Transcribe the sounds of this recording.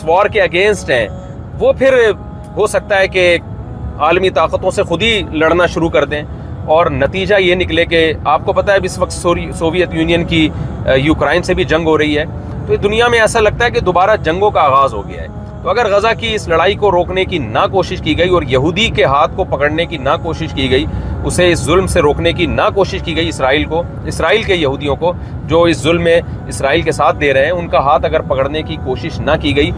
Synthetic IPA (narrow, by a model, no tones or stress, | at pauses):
ɪsʋaːɾkeɐɡẽːnsʈɦɛ̰̃ː | ʋopʰɪɾ | ɦosɐk̚t̪aɦɛke | aːlmit̪aːqət̪õsexʊd̪ilɐɽnaʃʊɾukɐɾd̪ẽ | ɔːɾnɐt̪iːd͡ʒajenɪklekeaːp̚kopɐt̪aɦɛbɪsʋɐq̚t̪ssoːʋijət̪juːnijənki | juːkɾaːɪnsebʱid͡ʒɐ̃ŋɡɦoɾɐɦiɦɛː | t̪oed̪ʊnijamẽɛːsalɐɡ̚t̪aɦɛk̬ed̪oːbaːɾad͡ʒɐ̃ŋɡõkaaːɣaːzɦo̰ɡɐja̰ɦɛ̰ː | t̪oɐɡəɾɣɐzakiɪslɐɽaːikoɾoːknekinakoːʃɪʃkiɡɐiɔːɾjɐɦuːd̪ikeɦaːt̪̚ʰkopɐkəɽnekinakoːʃɪʃkiɡɐiʊseɪszʊlmseɾoːknekinakoːʃɪʃkiɡɐiɪsɾaːiːlko | ɪsɾaːiːlkejɐɦuːd̪ijõko | d͡ʒoːɪszʊlmːẽ | ɪsɾaːiːlkesaːt̪̚ʰd̪eːɾɐɦeɦɛ̃ʊnkaɦaːt̪ʰɐɡəɾpɐkəɽnekikoːʃɪʃnɐkiɡɐiː